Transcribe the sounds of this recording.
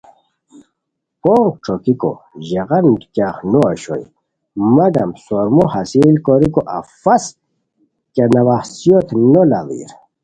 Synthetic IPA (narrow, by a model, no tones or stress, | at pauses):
poɾʈ͡ʂʰokiko̰ʑeʁɐnd̪kaːχnoɐɕo̰j | mɐd̪ɐmsoɾmohɐsilkoɾikoʔɐfɐs | kenɐwaxsjot̪ʰnola̰vḭɾ